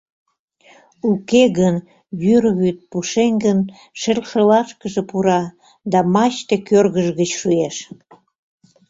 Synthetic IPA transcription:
ukeɣən | βyrβyt̪̚puʃeŋɡən | ʃelʲʃəlɑʃkəʒepuɾɑ | d̪ɑmɑt͡ɕt̪ekørɣəʒɣət͡ɕʃueʃ

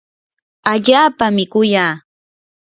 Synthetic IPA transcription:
aʎaːpamɪkʊjaː

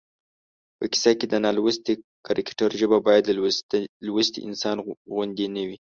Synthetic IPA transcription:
pəki̥saked̪ənɑlwəst̪ikaɾɪkʈaɾʒəbabɑjad̪ | lwəst̪ḭʔɪ̰nsɑnɣʊnd̪enawi

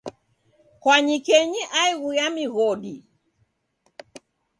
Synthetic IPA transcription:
kwaɲikɛɲiʔaiɣujamiɣɔɗi

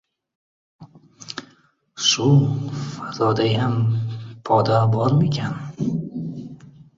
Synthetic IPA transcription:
ʃʊfazɒd̪ajampʰɒd̪abɒlmekʲʰan

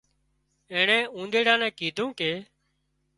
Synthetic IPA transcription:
ẽːɳɛ̃ːũːnd̪eːɽãːnɛ̃ːkiːd̪ʱũːkeː

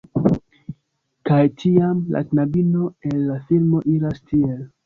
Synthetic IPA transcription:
kajtʰiamla̰knabino̞enːafilmo̞ʔiɾastʰie̞l

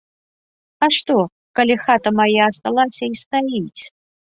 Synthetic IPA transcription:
ɐʂt̪ɔ | kɐlʲixat̪ɐmajaɐst̪alˠasʲɐist̪ait͡sʲ

